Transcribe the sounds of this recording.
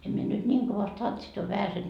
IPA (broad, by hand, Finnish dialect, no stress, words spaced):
em mie nyt nʲiːŋ koʋɑst tɑntsit ɑ ʋæhæsen